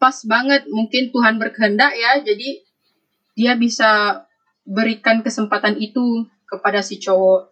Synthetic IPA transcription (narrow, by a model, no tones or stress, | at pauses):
pasbaŋət̪̚muŋkɪnt̪uɦanbərkəɦəndakjad͡ʒadi | diabisa | bəɾikankəsəmpat̪anit̪u | kəpadasit͡ʃowɔ